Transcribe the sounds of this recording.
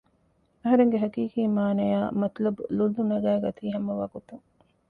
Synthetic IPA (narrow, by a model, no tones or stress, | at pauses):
ɐɦɐɾeŋɡeɦɐkiːkiːmaːnɐjaːmɐt̪lɐbululːunɐɡæːɡɐt̪iːɦɐmːɐʋa̰ːɡot̪uŋ